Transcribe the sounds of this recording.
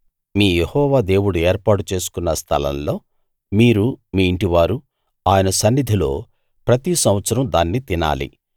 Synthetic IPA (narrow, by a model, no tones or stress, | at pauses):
miːjehɔːʋaːd̪e̞ːwuɽue̞ːɾpaːʈut͡ʃe̞ːsu̥kunːɐst̪ʰɐ̰lɐ̰mlo̞ː | miːɾumiːɳʈiʋaːɾu | aːjɐnɐsɐnːid̪ʱilo̞ː | pɾɐt̪isɐmʋɐt̪sɐɾɐmd̪aːnːit̪ina̰ːlḭ